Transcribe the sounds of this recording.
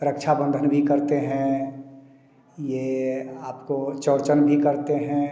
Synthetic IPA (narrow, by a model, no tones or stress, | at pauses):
ɾəkʃʰabə̃nd̪ʱənbʱikəɾt̪eɦɛ̃ | jeaːpkot͡ʃɔːɾt͡ʃənbʱikəɾt̪eɦɛ̃